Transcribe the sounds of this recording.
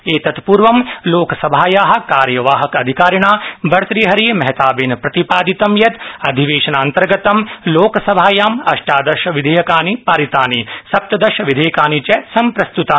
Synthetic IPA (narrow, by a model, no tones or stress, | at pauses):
eːt̪ɐt̪puːɾʋɐmloːkɐsɐbʱaːjaːɦɐ̆kaːɾjɐʋaːɦɐkɐd̪ʱikaːɾɐɳ̃aːʋɐɾt̪ɾiːɦɐɾimɐɦɛt̪aːbenpɾɐt̪ipaːd̪it̪ɐmjɐt̪ɐd̪ʱiʋeːʃɐnaːɐnt̪ɐɾɡɐt̪ɐmloːkɐsɐbʱaːjaːmɐʃʈaːd̪ɐɾʃɐʋid̪ʱeːjɐkaːnipaːɾit̪aːnisɐp̚t̪ɐd̪ɐʃɐʋid̪ʱeːkaːnit͡ʃɐsɐmpɾɐst̪ut̪aː